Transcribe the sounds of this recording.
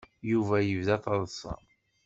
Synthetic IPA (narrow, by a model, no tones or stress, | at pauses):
juvæjəvðæt̪ˤɑðˤsˤɑ̰